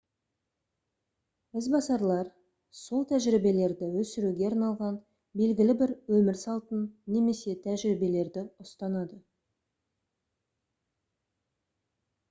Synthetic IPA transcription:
ɪzbɑsɑɾlˠɑɾ | so̞lˠt̪ʰæʒɾibe̞le̞ɾd̪ɪwɵsɪɾuɡʲe̞ɑɾnɑlˠʁɑn | be̞lɡʲɪlɪbɪɾwɵmɪɾsɑlˠt̪ənːe̞me̞se̞t̪ʰæʒɾibe̞le̞ɾd̪ɪʊst̪ɑnɑd̪ə

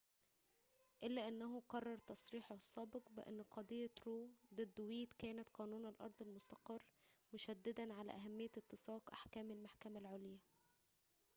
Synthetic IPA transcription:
ʔɪlːæːʔænːæɦuqɑrˤːɑɾˤt̪ɑsˤɾiːħosˤːɑːbɪqbɪʔḛnːqɑd̪ˤijːɑt̪ɾoːd̪ˤed̪ːwiːt̪kæːnæt̪qɑːnuːnælʔɑ̰ɾˤd̪ˤɑlmʊst̪ɑqɑrːmʊʃæd̪ːɪd̪ænʕalæ̰ʔæɦæmːɪjːæt̪ːɨsˤɑːqʔa̰ħkæːmɪlmaħkæmælʕoljæ

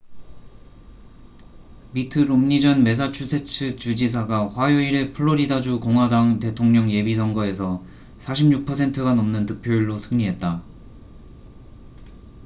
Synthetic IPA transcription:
mitʰɯɾomɲid͡ʑʌnme̞s̬ʰat͡ɕʰusʰet͡ɕʰɯt͡ɕud͡ʑis̬ʰaɡaɸwajoiɾe̞pʰɯɭːoɾidad͡ʑukoŋɦwadaŋte̞tʰoŋɲʌŋje̞bisʰʌŋɡʌe̞sʰʌ | sʰaɕʰimɲuk̚pʰʌsʰe̞ntʰɯɡanʌmnɯntɯk̚pʰjoiɭːosʰɯŋɲiɦe̞t̚t͈a

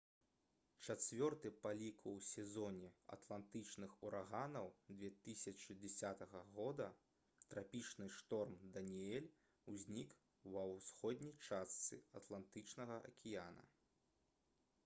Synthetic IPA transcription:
t͡ʂat͡sʲvʲɔrt̪ɨpalʲikwsʲɛzɔnʲɛɐ̰t̪lˠant̪ɨt͡ʂnɨxuɾʔaɣanɐwd͡z̪vʲɛt̪ɨsʲɐt͡ʂɨd͡zʲɛsʲat̪ɐɣɐɣɔd̪ɐ | t̪ɾapʲit͡ʂnɨʂt̪ɔrmd̪ɐnʲiɛlʲ | uzʲnʲik | wɐwsxɔd̪ʲnʲijt͡ʂast̪sɨ̰ɐt̪lˠant̪ɨt͡ʂnɐɣɐʔɐ̰kʲʰijanɐ̰

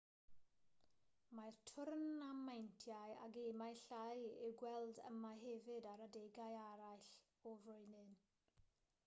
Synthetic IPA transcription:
majrtʰʊrnamːajntʰjaja̰ɡemajɬajiwɡwɛlˠdə̰maɦɛvɨdaɾadɛɡajaɾajɬ | ɔvrʊɨnɨn

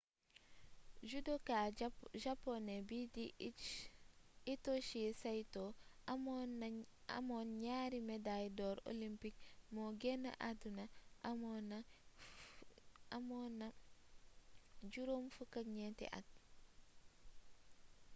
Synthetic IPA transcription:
d͡ʒudokaʒapːonebidi | itoʃisajto | a̰mɔnɲaɾimɛdajdɔːɾo̰limpik̚mɔɡɛna̰ʔadunaʔmɔna | mɔna | d͡ʒuɾomfukaɲɛtɛ̰ʔa̰t̚

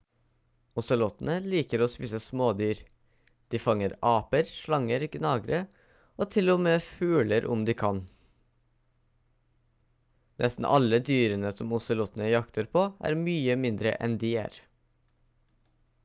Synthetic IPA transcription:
ʊsəlɔt̪n̩əliːkəɾoːspiːsəsmoːd̪yːɾ | d̪̥iːfɑŋəɾɑːpəɾʃɭɑŋəɾɡnɑːɡɾə | oːt̪ʰɪlɔmeːfʉːləɾʔʊmd̪iːkʰɑn | nʔɛst̪n̩ʔɑ̰ləd̪yːɾənəsɔmʊsəlɔt̪n̩əjɑkt̪ʰəɾpʰoːʔæ̰ːɾmyːəmɪnd̪ɾə̰ʔɛ̰nd̪iːæ̰ːɾ

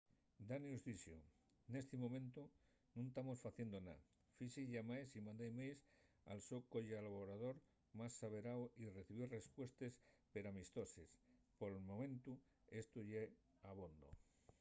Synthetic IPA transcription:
d̪aniuzðisjo | ne̞st̪emõmẽnt̪u | nũnt̪amo̞sfaθje̞nd̪ona̰ | fisiʝamaesimãnd̪ejmejs | a̰lsokoʝealβoɾaðo̞ɾ | masːaβeɾawire̞θiβire̞spwe̞st̪e̞spe̞ɾamist̪o̞sespoɾelmo̞mẽ̞nt̪u | e̞st̪uʝe | aβond̪o̰

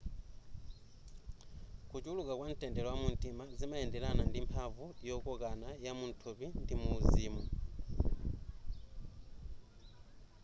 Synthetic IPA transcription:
kut͡ʃulukakwan̩tʼɛndɛlɔwamuntʼimazimaɛndɛlanandimpʰavujɔkɔkanajamun̩tʰupindimuːziːmu

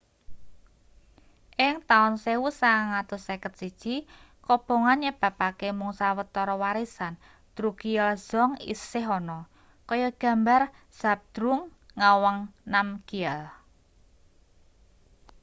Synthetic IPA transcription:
ʔɪŋt̪aʊnsewusaŋat̪ʊsɛkət̪̚sid̥ʒ̥i | kɔb̥o̤ŋanjəb̥a̤pakemuŋsawət̪ɔɾɔwaɾisan | d̪̥ɾukiɛlz̥ɔŋḭsɪɦɔnɔ | kɔjɔɡ̥ä̤mbar | z̥ap̚d̪̥ɾuŋːawaŋnamkiɛl

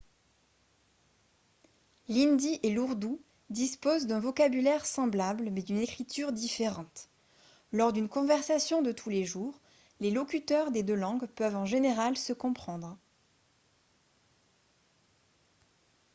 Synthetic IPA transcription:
lind̪iʔeluʁd̪u | d̪ispozd̪ɛ̃vɔkabylɛʁsɑ̃blablmɛd̪ynekχit̪ʰyʁd̪ifeʁɑ̃t̪ | lɔʁd̪ynkɔ̃vɛʁsasjɔ̃d̪ət̪ʰuleʒuːʁ | lelɔkʲyt̪œʁd̪ed̪ølɑ̃ɡpœvɑ̃ʒeneʁalsəkɔ̃pχɑ̃d̪ʁ

